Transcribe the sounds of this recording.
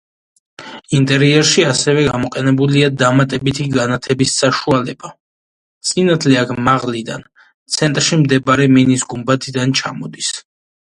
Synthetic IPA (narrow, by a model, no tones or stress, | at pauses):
int̪ʼɛɾiɛɾʃiasɛvɛɡamɔqʼɛnɛbuliad̪amat̪ʼɛbit̪ʰiɡanat̪ʰɛbisːaʃualɛba | t̪sʼinat̪ʰlɛakʰmaʁlid̪an | t̪sʰɛnt̪ʼɾʃimd̪ɛbaɾɛminisɡumbat̪ʰid̪ant͡ʃʰamɔd̪is